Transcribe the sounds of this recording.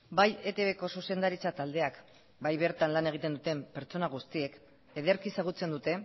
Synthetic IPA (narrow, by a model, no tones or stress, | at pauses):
baje̞t̪e̞βe̞ko̞suse̞nd̪aɾit͡sat̪ald̪e̞ak | bajβe̞ɾt̪anlane̞ɣ̞it̪e̞nd̪ut̪e̞mpe̞ɾt͡so̞naɣ̞ust̪ie̞k | eðeɾkisaɣ̞ut͡se̞nd̪ut̪e̞